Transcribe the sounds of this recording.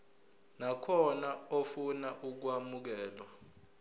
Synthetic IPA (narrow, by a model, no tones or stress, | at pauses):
nakʰɔnaofunaʔuk̬wamuk̬ɛːlwa